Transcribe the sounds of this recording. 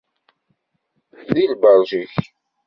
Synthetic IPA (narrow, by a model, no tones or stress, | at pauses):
θilbɑɾˤʒiç